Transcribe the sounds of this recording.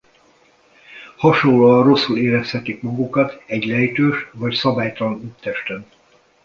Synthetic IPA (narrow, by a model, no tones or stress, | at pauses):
hɒʃoloɒro̞sːuleːɾɛshɛt̪ikmɒɡukɒt̪ɛɟlɛjt̪øːʃvɒcsɒbaːjt̪ɒlɒnyt̪ːɛʃt̪ɛn